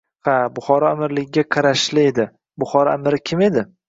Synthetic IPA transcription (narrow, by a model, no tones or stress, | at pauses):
habʊχɒɾɒamɪɾlɪɡʲɪɡʲaqʰɑɾaʃlɪe̞d̪ɪ | bʊχɒɾɒamɪɾɪkʲʰɪme̞d̪ɪ